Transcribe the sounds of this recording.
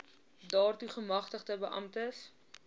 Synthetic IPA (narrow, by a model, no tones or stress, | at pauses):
dɑːrtuχəmɐχtəχtəbəʔɐ̰mtəs